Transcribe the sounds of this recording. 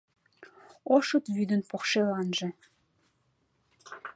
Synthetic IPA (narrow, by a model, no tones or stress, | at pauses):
oʃɤ̆t̪βyd̪ənpoxʃelɑnʒĕ